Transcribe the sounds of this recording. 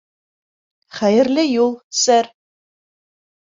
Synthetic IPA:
χæjɘ̆ɾlʲɘjulˠsæɾ

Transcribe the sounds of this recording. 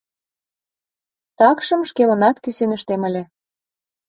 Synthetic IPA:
t̪ɑkʃɤ̆mʃkemɤ̆nɑt̪kysønə̆ʃt̪emə̆lʲĕ

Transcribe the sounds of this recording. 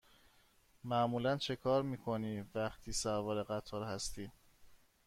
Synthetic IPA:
mæmuːlænt͡ʃʰe̞kʰɒːɾmiːkʰo̞niːvæχt̪ʰiːsævɒːɾeɣæt̪ʰɒːɾhæst̪ʰiː

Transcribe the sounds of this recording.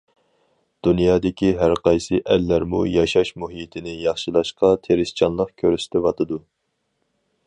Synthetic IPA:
d̪̥unjɑːd̪ɪkʲiɦæɾqɑjsɨʔɛlːæɾmṵjɑʃɑʃmuɦit̪ʰɪnɪjɑχʃɨlˠɑʃqɑt̪ʰeɾɪst͡ʃʰɑnlˠəqkʲʰøɾysɪ̥t̪ɛvɑt̪ʰɨd̪u

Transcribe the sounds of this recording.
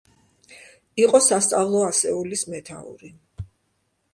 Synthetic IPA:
iqʼɔsast̪sʼavlˠɔasɛulismɛt̪ʰa̰ṵɾi

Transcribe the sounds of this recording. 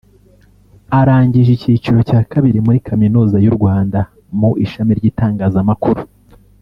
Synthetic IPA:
aɾaːɲɟiʒiciːt͡ʃiɾo̞caːkaβiɾimuɾikaminuːzajuɾɡwaːnda | muʔiʃamiɾɟiːtaːŋɡaːzamakuɾu

